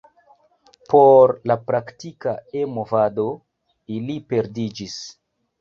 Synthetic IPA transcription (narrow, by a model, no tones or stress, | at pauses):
poɾlapɾaktikaemovado | ilipe̞ɾdid͡ʒis